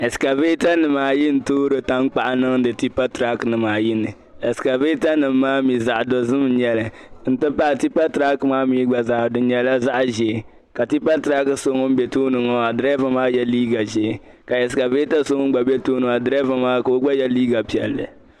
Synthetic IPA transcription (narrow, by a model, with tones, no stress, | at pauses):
ɛ˨ska˨ve˦ta˦nɨ˨maː˨jɪ˦n̩˨toː˦ɾɨ˨ta˦ŋ˦k͡pa˨ʔa˨nɨ˦ŋ˦dɨ˨ti˦pa˦tɾa˦knɨ˨maː˨jɪ˦nɨ˨ | ɛ˨ska˨ve˦ta˦nɨ˨mː˦aː˦mi˨za˨ʔdɔ˨zɨ˦m˦ɲɛ˨lɨ˨n̩˦tɨ˦pa˦˨ti˦pa˦tɾa˦kmaː˦mi˦ɡ͡ba˨za˨˦˨dɨ˨ɲɛ˨la˦za˦ʔʒɛ˨˦ | ka˨ti˦pa˦tɾa˦kso˦ŋo˦m̩˦bɛ˨toː˦nɨ˨ŋɔ˦a˨dɾɛ˦va˨maː˦jɛ˦liː˦ɡa˨ʒe˦ | ka˨ɛ˨ska˨ve˦ta˦so˦ŋ˦ɡ͡ba˨bɛ˦toː˦nɨ˨a˨dɾɛ˦va˨maː˦ka˨o˦ɡ͡ba˦jɛ˦liː˦ɡa˨pi˨ɛ˨lːɨ̰˨